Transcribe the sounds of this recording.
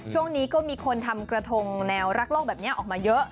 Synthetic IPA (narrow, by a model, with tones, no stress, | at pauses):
t͡ɕʰu˥˩əŋniː˦˥kɔː˥˩miː˧kʰo˧nt̪ʰa˧mkɾa˧t̪ʰo˧ŋnɛː˧wɾa˦˥k̚loː˥˩k̚bɛː˨˩p̚ni˦˥ɐʔɔː˨˩k̚maː˧jɤ˦˥ʔ